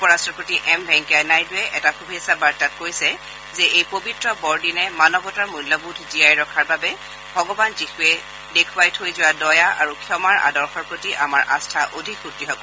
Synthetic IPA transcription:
upɔɹastɹɔpɹotiʔɛmbʱɛŋkanajtʊɛʔɛtaxubʱisabaɹtat̚kojsɛ | zɛejpobitɹɔbɔɹdinɛmanɔbɔtaɹmujlɔbudʱziajɹɔkʰaɹbabɛ | bʱɔɡɔbanzixuɛ | dekʰʊwajtʰojzʊwadɔjaa̰ɹukʰiɔmaɹa̰dɔɹxɔɹpɹotiʔamaɹʔa̰stʰaʔodʱikxutːiɦɔkɔ

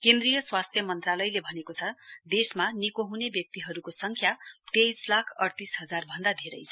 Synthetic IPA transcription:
kẽnd̪rijʌswast̪ʰjʌmʌnt̪ralʌjlebʱʌnekot͡sʰʌd̪esmanikoɦunebjʌk̚t̪iɦʌɾukosʌŋkʰjat̪ejslakʰʌɽt̪isɦʌd͡zarbʱʌnd̪ad̪ʱeɾʌjt͡sʰʌ

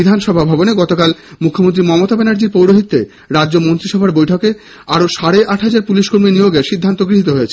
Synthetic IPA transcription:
id̪ʱanʃɔbʱabʱaboneɡɔt̪okalmukʰːomont̪ɾimɔmot̪abɛnaɾd͡ʑiɾpowɾoɦit̪ːḛ | ɾadːd͡ʑomont̪ɾiʃɔbʱaɾbojʈʰɔke | aɾoʃaɽeʔaʈɦad͡ʑaɾpuliʃkoɾminijoɡeɾʃid̪ʱːant̪oɡɾiɦit̪oɦojet͡ɕʰe

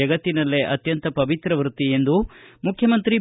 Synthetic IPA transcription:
ɐɡɐt̪ːinɐlːeʔɐt̪jɐnt̪ɐpɐʋit̪ɾɐʋɾut̪iend̪umukʰjɐmɐnt̪ɾi

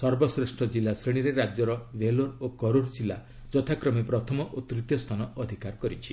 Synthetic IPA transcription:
sɔɾbɔsɾesʈʰɔd͡ʒilːasɾiɽ̃iɾeɾad͡ʒjɔɾɔʋeloɾokɔɾoɽd͡ʒilːa | d͡ʒɔt̪ʰakɾɔmepɾɔt̪ʰɔmɔʔot̪ɾit̪jɔst̪ʰanɔɔd̪ʱikaɾkɔɾit͡ʃʰi̥

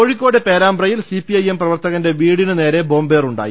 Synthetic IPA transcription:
o̞ɻikʲːo̞ːɽepe̞ːɾaːmbrɐjilsipiɐjemprɐʋɐrt̪ɐɣɐnde̞ʋiːɽinɨne̞ːɾe̞bo̞ːmbe̞ːruɳɖa̰ːjḭ

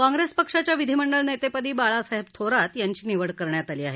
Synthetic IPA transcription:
kãŋɡɾespəkʂat͡ɕjaʋid̪ʱiməɳɖəɭnet̪epəd̪iːbaɭasaɦebt̪ʰoɾat̪jaɲt͡ɕiːniʋəɽkəɾɳjat̪aliːa̰ɦe

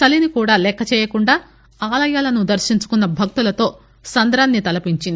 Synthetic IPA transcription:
sɐlinikuːɽaːlɛkːɐt͡ʃɛːjɐkuɳɖaː | aːlɐjaːlɐnud̪ɐɾʃiɲt͡ʃu̥kunːɐbʱɐk̚t̪ulɐt̪o̞ː | sɐnd̪ɾaːnːit̪ɐlɐpiɲt͡ʃind̪

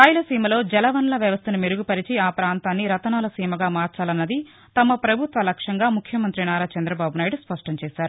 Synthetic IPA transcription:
kaːjulɐsiːmɐlo̞ːd͡ʒɛlɐʋɐnlɐʋjɐʋɐst̪ɐnumeɾuɡupɐɾit͡ʃiaːpɾaːnt̪aːnːiɾɐt̪ɐnaːlɐsiːmɐɡaːmaːɾt͡ʃaːlɐnːɐd̪i | t̪ɐmɐpɾɐbʱut̪ʋɐlɐkʂɐŋɡaːmukʰjɐmɐnt̪ɾinaːɾaːt͡ʃɐnd̪ɾɐbaːbunaːjiɖuspɐʂʈɐɲt͡ʃɛːsaːɾu

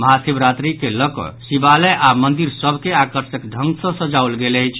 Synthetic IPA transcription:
məɦasibɾat̪ɾikeləkɔ̰sibalɛʔamənd̪iɾsəbʱkeakəɾsəkɖʱəŋɡsə̃səd͡ʒaulɡeləjt͡ʃʰ

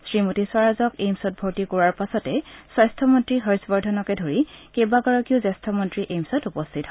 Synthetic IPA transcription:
sɹimotiswaɹazɔkejmsɔt̚bʱoɹtikɔɹaɹpasɔtɛsajstʰɔmɔntɹiɦɔɹsbɔɹdʱɔnɔkɛdʱoɹikebaɡɔɹɔkiuzɛstʰɔmɔntɹiʔejmsɔtupɔstʰitɦɔ

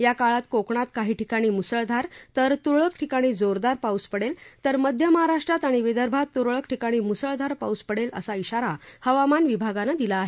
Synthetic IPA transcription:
jakaɭat̪kokɳ̃at̪kaɦiːʈikaɽ̃iːmusəɭd̪ʱaɾt̪əɾt̪uɾɭəkʈʰikaɽ̃iːd͡zoɾd̪aɾpauspəɽelt̪əɾməd̪ʱjəməɦaɾaʂʈɾat̪aɽ̃iʋed̪əɾbʱat̪ːuɾɭəkʈʰikaɽ̃iːmusəɭd̪ʱaɾpauspəɽelə̰saiɕaɾahəʋamanʋibʱaɡanad̪ilaːɦe

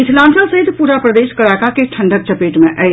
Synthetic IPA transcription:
it̪ʰlansəlsəɦit̪puɾapɾəd̪eʃkəɾakakeʈʰəɳɖək̚t͡ʃəpeʈmẽʔəɪ

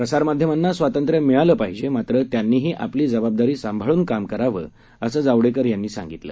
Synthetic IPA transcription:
pɾəsaɾmad̪ʱjəmanːasʋat̪ənt̪ɾjəmɛɭaləːpaɦid͡ʑemat̪ɾət̪janːiːɦiːʔa̰pliːd͡zəbab̚d̪aɾiːsambʱaɭuːnkamkəɾaʋə̰ː | əsəːd͡zaʋɽekəɾjanːiːsa̰ŋɡit̪lə̰ː

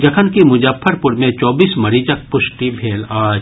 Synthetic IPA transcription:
d͡ʒɐkʰənkimʊd͡ʒaːpʰːəɾpʊɾmẽt͡ʃɔːbiːsmɐɾit͡ʃək̚pʊʃʈibʱeːlaː

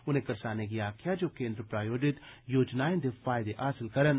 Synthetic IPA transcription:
ʊnẽkɐɾsaːnek̬iaːkʰjad͡ʒoːkẽːnd̪ɾəpɾaːjoːɖɪt̪joːd͡ʒnaːjẽnd̪efaːɪd̪eʔaːsɪlkɐɾən

